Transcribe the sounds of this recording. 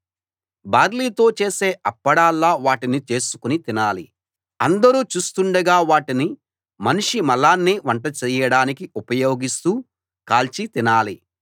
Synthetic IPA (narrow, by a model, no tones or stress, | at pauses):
baːɾliːt̪o̞ːt͡ʃe̞ːse̞ːɐpːɐɽaːlːaːʋaːʈinit͡ʃe̞ːsu̥kunit̪inaːlḭ | ɐnd̪ɐɾuːt͡ʃuːst̪uɳɖɐɡaːʋaːʈini | mɐniʂimɐlaːnːiʋɐɳʈɐt͡ʃɛːjɐɽaːnikiupɐjo̞ːɡist̪uː | kaːlt͡ʃit̪inaːli